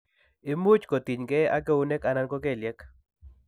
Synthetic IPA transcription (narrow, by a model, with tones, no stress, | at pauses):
ɪ˦mu˦t͡ʃko˨t̪i˨ɲɡɛ˦a˦ɡe˦u˦nɛ˦ka˨na˦nkɔ˦ɡe˦˨ljɛ˦k